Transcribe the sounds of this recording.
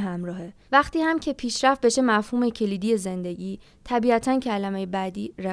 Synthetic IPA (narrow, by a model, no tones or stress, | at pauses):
ɦæmɾɒːhe | væxt̪iːhæmcʰepʰiːʃɾæft̪̚be̞ʃe̞mæfhuːme̞cʰe̞liːd̪ije̞ze̞nd̪e̞ɟiː | t̪ʰæbiæt̪ʰæncʰælæmejebæd̪iːɾæ